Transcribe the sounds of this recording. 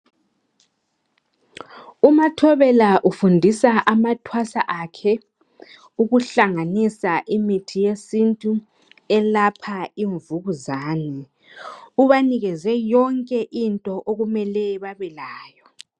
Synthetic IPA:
umatʰɔβɛlaʔufundʱisaʔamatʰwasaʔakʰɛ | uɣuɬaŋanisaʔimitʰijesintʼu | ɛlapʰaiɱvuɣuzaːnɛ | uβaniɣɛzɛjɔŋkʼɛʔintʼɔʔoɣumɛlɛβaβɛlaːjɔ

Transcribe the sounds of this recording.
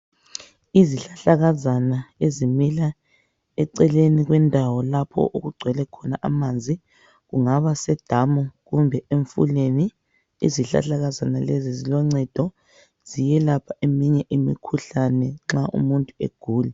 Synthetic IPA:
iziɬaɬaɣazanaezimila | ɛǀɛleniɣwɛndʱawɔlapʰɔ̰ʔuɣuɡ͡ǀʱwɛlɛkʰɔnaʔa̰maːnd͡zʱi | ɣuŋaβasɛd̥ʱamɔɣumbʱɛeɱfṵleni | ḭziɬa̰ɬaɣazanalezizilɔŋ͡ǀɛd̥ʱɔ | z̥ijɛlapʰaʔemiɲɛʔimḭkʰuɬanɛŋ͡ǁaʔṵmuntʼuḛɡ̥ʱuːlɛ

